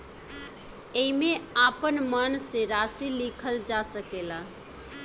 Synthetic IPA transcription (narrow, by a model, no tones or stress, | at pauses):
eimeapənmənseɾasilikʰəld͡ʒasəkela